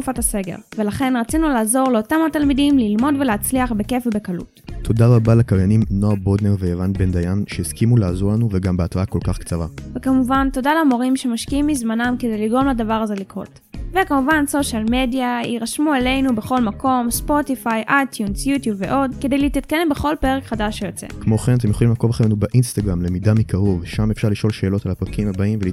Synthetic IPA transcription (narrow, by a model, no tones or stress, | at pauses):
ufatase̞ɡe̞̰ʁve̞laχe̞nʁat͡sinulaːzo̞ʁleotamatalmidimlilmo̞dve̞leat͡sliaχbe̞ke̞febe̞kalṵttʰo̞daʁabalakaʁjanimnoabodneʁveevant̪bend̪ajanʃeiskimulaazoʁlanuveɡambeatʁaako̞lkaχkt͡saʁavekamuvanto̞dalamo̞ʁimʃe̞maʃkiimːizmanamke̞dejliɡʁomladavaʁazelikʁo̞̰t | vekamuvanso̞ʃalme̞djaiʁaʃmuele̞jnubeχo̞lmako̞mspo̞tifajʔajt̪ʰjunsjutjubvḛʔo̞dke̞de̞jliit̪it̪kanembeχo̞lpe̞ʁekχadaʃejot͡sḛkmo̞χenat̬emjoχolimlako̞vaχenubaʔinst̪aɡʁamlemidamikaʁo̞vʃamefʃaʁliʃo̞lʃeːlotalapʁakimhabaimveli